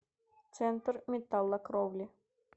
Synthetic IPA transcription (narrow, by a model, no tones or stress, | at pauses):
t̪t͡s̪ɛnt̪rmʲet̪ːɑlˠːɑkrowlʲi